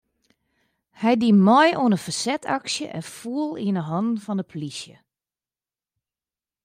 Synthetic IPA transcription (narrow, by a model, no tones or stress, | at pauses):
hɛjdimɔjoənəfasɛtʰɑksjə̰ʔɛ̰nfuəlˠiənəɦɔnfɔndəpʰlisjə̰